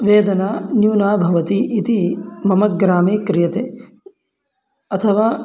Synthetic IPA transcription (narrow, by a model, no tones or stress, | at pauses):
ʋeːd̪ɐnaːnjuːnaːbʱɐʋɐt̪iʔːt̪imɐmɐɡɾaːmeːkɾɪjɐt̪eː | ɐt̪ʰɐʋaː